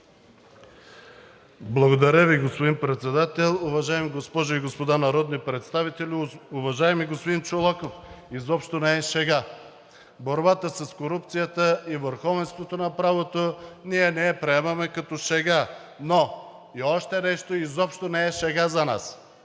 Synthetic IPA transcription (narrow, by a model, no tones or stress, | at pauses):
blˠɐɡod̪ɐɾəviɡospod̪inpɾɛt̪sɛd̪at̪ɛlˠʊvɐʒaɛmiɡospɔʒoiɡospod̪anɐɾɔd̪nipɾɛt̪st̪avit̪ɛlʲiʊvɐʒaɛmiɡospod̪int͡ʃolˠakofizɔpʃt̪onɛɛʃɛɡa | boɾbat̪əsɐskoɾup̚t̪sijət̪əivəɾxɔvɛnst̪vot̪onɐpɾavot̪oniɛnɛːpɾɛɛmɐmɛkɐt̪ɔʃɛɡa | no | iɔʃt̪ɛnɛʃt̪oizɔpʃt̪onɛɛʃɛɡazɐna̰s